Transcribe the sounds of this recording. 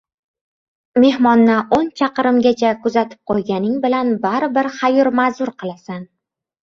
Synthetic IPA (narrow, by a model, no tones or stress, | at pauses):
me̞hmɒnːɪont͡ʃʰɑqɨɾɪmɡʲat͡ʃʰakʊzat̪ʰɪ̥p̚qʰojɡʲanɪŋbɪlanbaɾbɪɾχajʊɾmazʊɾqʰɨlˠasan